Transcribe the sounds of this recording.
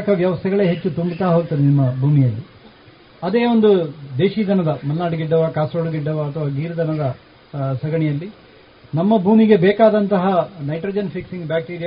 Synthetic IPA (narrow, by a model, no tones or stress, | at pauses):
kɐʋjɐʋɐst̪ʰɛɡɐɭe̞ːɦe̞t͡ʃːut̪umbit̪aːɦoːt̪ːɐd̪enimːɐbʱuːmijɐlːi | ɐd̪e̞ːond̪ud̪eːʃiːd̪ʱɐnɐd̪ɐmɐlnaːɽuɡiɖːɐʋakaːsoːɽuɡiɖːɐʋaɐt̪ʰɐʋaːɡiːɾɐd̪ʱɐnɐd̪ɐ | sɐɡɐɳɛjɐlːi | nɐmːɐbʱuːmiɡe̞bɛːkaːd̪ɐnt̪ɐɦɐnɐjʈɾɐːd͡ʒɐnpʰiksiŋɡbjaːk̚ʈiːɾija